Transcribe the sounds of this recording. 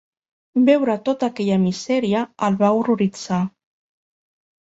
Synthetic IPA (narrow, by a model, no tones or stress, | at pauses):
bɛwɾət̪ot̪əkɛʎəmizɛɾiəːlβauruɾid͡za